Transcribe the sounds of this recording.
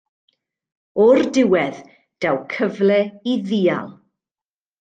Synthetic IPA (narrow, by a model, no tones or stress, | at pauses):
ɔrdɪwɛð | d̥awkʰəvlɛiðiːa̰lˠ